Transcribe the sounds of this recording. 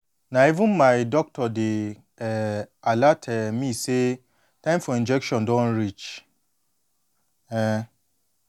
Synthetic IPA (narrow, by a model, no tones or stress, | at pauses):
nãivũnmaɪdɔk̚tʰɔde | alatʰɛmĩse | tʰãɪ̃mfɔĩnd͡ʒɛkʃɔ̃ndɔ̃nɹit͡ʃ | ɛ